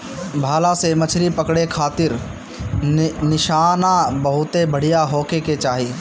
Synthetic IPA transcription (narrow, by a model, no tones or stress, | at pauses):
bʱaːlasemɐt͡ʃʰɾipɐkɽekʰaːt̪ɪɾ | nɪʃaːnabɐɦʊt̪ebɐɽ̤ijaɦoːkeket͡ʃaːɦi